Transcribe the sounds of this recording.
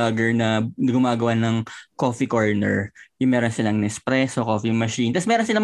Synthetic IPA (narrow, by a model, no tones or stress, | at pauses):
ɐɡɛɹnɐnɐɡʊmaːɡɐwanɐŋkofikoɹnɛ̰ɹjʊŋmɛːɾonsɪlaŋnɛspɾɛsokoːfimɐʃint̪ɐsmɛːɾonsɪla